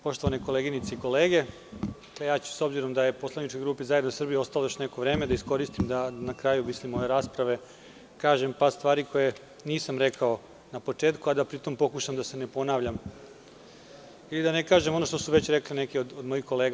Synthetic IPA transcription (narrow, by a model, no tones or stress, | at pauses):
po̞ʃt̪oʋanekoleɡinit̪seiko̞leːɡe̞ | kejaːt͡ɕu̥so̞bziɾo̞md̪aje̞poslˠanit͡ʃkojɡɾuːpizaje̞d̪nosr̩bijio̞st̪alojot͡ɕneko̞ʋɾeːmed̪aisko̞ɾist̪imd̪anakɾajumislimo̞jeɾaːspɾaʋe̞ | kaːʒempast̪ʋaːɾiko̞je | niːsamɾekao̞ | napo̞t͡ʂeːt̪kuad̪apɾit̪o̞mpo̞kuʃamd̪ase̞ne̞po̞naːʋʎam | ilid̪anekaːʒemo̞no̞ʃt̪osuʋe̞t͡ɕɾeklinekeod̪od̪mojixko̞leːɡ